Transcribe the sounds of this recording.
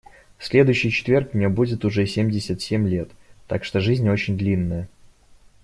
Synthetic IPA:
fsʲlʲe̞d̪ʊjʏɕːɪjt͡ɕɪ̥t̪vʲe̞rkmnʲebudʲɪt̪ʊʐɛsʲemʲdʲɪsʲət̪sʲemʲlʲe̞t̪ːakʂt̪oʐɨzʲnʲo̞t͡ɕɪnʲd̪lʲinːəjə

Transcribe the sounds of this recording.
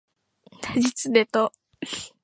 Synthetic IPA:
t̪ad͡ʑit͡sɨd̪et̪o

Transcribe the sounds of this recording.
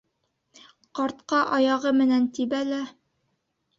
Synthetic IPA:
qɑɾt̪qɑʔɑjɑʁɤmɘ̆nænt̪ibælæ

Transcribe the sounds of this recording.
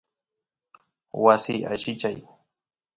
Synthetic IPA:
wasiːaʃɪt͡ʃaj

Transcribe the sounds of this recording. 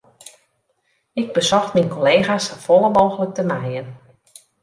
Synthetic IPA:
ɪɡ̚bəsɔxtminkoleːɣasfɔlˠəmoːɣələk̚təmɛjən

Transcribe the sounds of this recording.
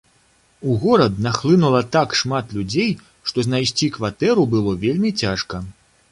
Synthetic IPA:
uɣɔɾɐd̪naxlˠɨnulˠɐt̪akʂmat̪lʲud͡zʲej | ʂt̪ɔznajsʲt͡sʲikvat̪ɛɾubɨlˠɔvʲelʲmʲit͡sʲaʂkɐ

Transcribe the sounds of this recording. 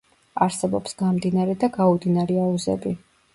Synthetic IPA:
aɾsɛbɔpsɡ̥amd̪inaɾɛd̪aɡaud̪inaɾɛauzɛ̰bi

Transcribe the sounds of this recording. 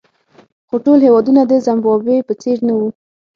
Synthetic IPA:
xoʈolhewɑd̪unad̪əzambɑbepət͡seɾnawu

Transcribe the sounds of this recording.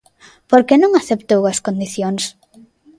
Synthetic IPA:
poɾkenõŋaθept̪owɐskond̪iθjoŋs

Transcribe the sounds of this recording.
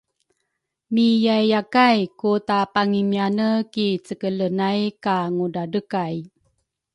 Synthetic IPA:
mijajːakajkutapaŋimianəkit͡səkələnajkaŋudadəkaj

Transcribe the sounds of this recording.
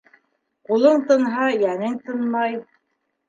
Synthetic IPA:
qulˠɤɴt̪ɤ̆nɦɑjænɘŋt̪ɤ̆nmɑj

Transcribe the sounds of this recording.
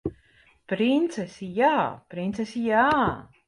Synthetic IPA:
pɾint̪sɛsijaːpɾint̪sɛsijaː

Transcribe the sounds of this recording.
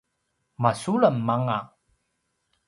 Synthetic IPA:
masulamːaŋa

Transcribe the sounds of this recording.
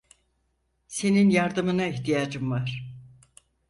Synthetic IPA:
se̞ninjaɾd̪ɯmɯnaiçt̪ijaːd͡ʒɯmvaɾ̥

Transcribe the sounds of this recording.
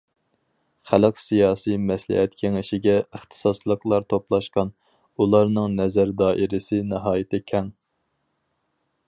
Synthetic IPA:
χælɨqsijɑːsijmɛslɪ̰hɛt̪kʲʰeŋɪʃɪɡʲɛəχt̪ʰɨ̥sɑslˠəqlˠɑɾt̪ʰoplˠɑʃqɑn | ulˠɑɾnɨŋnɛzæɾd̪ɑːʔɪɾɪsɪnɨɦɑːjɪt̪ʰɪkʲʰɛŋ

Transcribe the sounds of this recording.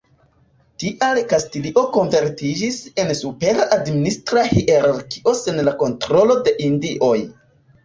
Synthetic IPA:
tiʔalkastiliʔo̞ko̞nve̞ɾtid͡ʒise̞nsupe̞ɾaʔadministɾahiʔeɾaɾki̥ʔo̞se̞nlako̞ntɾo̞lo̞de̞ʔindiʔo̞j

